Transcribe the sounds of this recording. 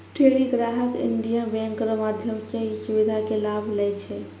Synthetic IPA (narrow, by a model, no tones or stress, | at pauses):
ʈʰeɽiɡɾaɦəkḭɳɖijabɛ̃ŋkɾmad̪ʱjəmsẽisubid̪ʱakelabʱlɛjt͡ʃʰɛ